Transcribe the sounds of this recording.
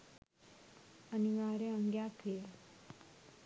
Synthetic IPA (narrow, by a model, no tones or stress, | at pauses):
əniʋaɾeəŋɡjakʰe